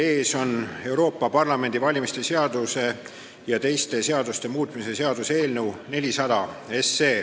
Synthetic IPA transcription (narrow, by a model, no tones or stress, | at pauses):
e̞ːso̞ne̞wɾo̞ːpːˑɑpɑrlɑme̞nd̪ivɑlʲimist̪e̞se̞ɑd̪̥use̞ | jɑt̪e̞jst̪e̞se̞ɑd̪ust̪e̞muːt̪ˑmise̞se̞ɑd̪̥use̞ːlne̞wne̞lʲisɑd̪̥ɑe̞sːe̞ː